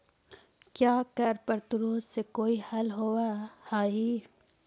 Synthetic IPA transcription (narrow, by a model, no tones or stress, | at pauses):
kjaːkɐɾpɐɾt̪ʊɾoːt̪sekoːihɐlɦowahaːiː